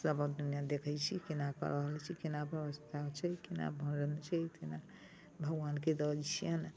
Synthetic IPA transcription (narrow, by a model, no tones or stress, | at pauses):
səbəd̪unijad̪ekʰəjt͡ʃʰikinakə̰ɾəɦəlt͡ʃʰikinabʱəʋəst̪ʰat͡ʃʰɛkina̰bʱə̃nɾənt͡ʃʰɛt̪ina | bʱəɡwanked̪əd͡ʒt͡ʃʰijən